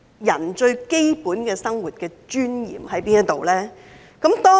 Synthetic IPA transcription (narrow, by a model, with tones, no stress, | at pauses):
jɐ˨˩nt͡ʃɵ˧ɥke˥jpuː˨˥nkɛː˧sɐ˥ŋwuː˨t̚kɛː˧t͡ʃyː˥njḭː˨˩mhɐ˨˥jpiː˥njɐ˥t̪o˨wlɛː˥ | kɐ˨˥mt̪ɔː˥